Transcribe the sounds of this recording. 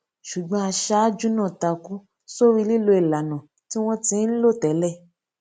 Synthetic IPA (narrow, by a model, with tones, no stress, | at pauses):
ʃu˨ɡ͡bɔ̃˧a˧ʃa˦d͡ʒu˦nã˦˨ta˧ku˦ | so˦˨ɾi˧˦li˦˨lo˧i˨la˨nã˨ | ti˦w̃ɔ̃˦tĩ˨˧˦lo˦˨tɛ˨˦lɛ˦˨